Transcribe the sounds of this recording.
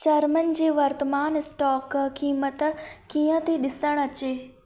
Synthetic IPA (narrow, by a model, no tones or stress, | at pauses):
t͡ɕɐɾmən̆d͡ʑeːʋɐɾt̪əmaːnɪsʈɔːkkiːmət̪kiːə̃t̪ʰeɗɪsəɽ̃ɐt͡ɕeː